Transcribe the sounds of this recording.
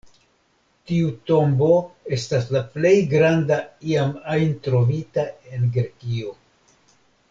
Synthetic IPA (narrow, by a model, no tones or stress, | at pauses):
tiuto̞mbo̞e̞staslaple̞jɡɾandaiamajntɾo̞vitae̞nɡɾekio̞